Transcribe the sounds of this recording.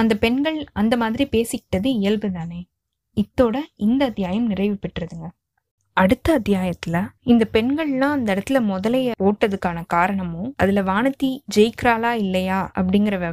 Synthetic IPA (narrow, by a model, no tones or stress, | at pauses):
ɐnd̪ɐpɛnɡɐɭɐnd̪ɐmaːðɪɾipeːsɪkːɪ̥ʈːɐðɯɪjɐlʋɯt̪aːneː | ɪt̪ːoːɽɐɪnd̪ɐɐt̪ːɪjaːjɐmnɪrɐɪʋɯpːɪʈːrɐðɯŋɡɐ | ɐɽɯt̪ːɐɐːt̪ːjaːjɐt̪ːɪlɐɪnd̪ɐpɛɳɡɐɭlãːɐnd̪ɐɛɽɐt̪ːɪlɐmɔðɐlɐjɐpoːʈːɐðɯkːaːnɐkaːɾɐɳɐmɯ̃ɐ̰ðɪlɐʋaːnɐt̪ːid͡ʒɛjɪkɾaːlaːɪlːɐjaːɐ̰pːɐɽɪŋɡɪɾɐʋɛ